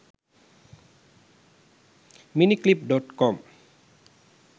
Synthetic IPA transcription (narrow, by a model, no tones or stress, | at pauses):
miniklip̚ɖɔʈkɔm